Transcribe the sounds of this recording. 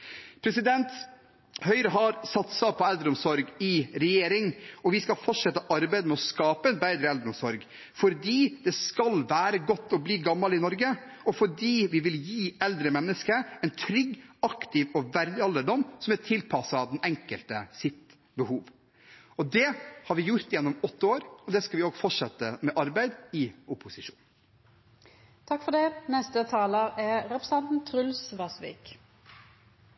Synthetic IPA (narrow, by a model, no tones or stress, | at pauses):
pʰɾɛsɪd̪ɛnt̪ | hœʏɾəɦɑɾsɑt̪sɑpʰɔɛld̪ɾɔmsɔɾɡɪɾɛjeːɾɪŋɔʋɪskɑfɔʈʂɛt̪ːəʔɑɾbæɪd̪əmɛɔskɑːpəɛnbæɪd̪ɾəɛld̪ɾɔmsɔɾɡ | fɔɾd̪iːd̪ɛskɑlʋæːɾəɡɔt̪ːɔbliːɡɑmːɑlɪnɔɾɡə | ɔfɔɖiːʋɪʋɪljiːɛld̪ɾəmɛnːəskəɛɪnt̪ʰɾʏɡːɑkt̪ɪʋɔʋæɾd̪ɪɑlːəɖɔmːsɔmæʈʰɪlpʰɑsɑd̪ɛnɛŋkəlt̪əsɪt̪ | bəhuːʋ | ɔd̪ɛhɑɾʋɪjʊɾt̪jɛnːɔmɔt̪ːəoːɾɔd̪ɛskɑʋɪoːɡfɔʂɛt̪ːəmɛʔɑɾbæɪd̪ɪʊpʊsɪʂṵːn | t̪ʰɑkːfɔd̪ɛnɛst̪ət̪ʰɑːləʁɛɾɛpɾəsɛnt̪n̩t̪ʰɾʉlsʋɑsʋḭːk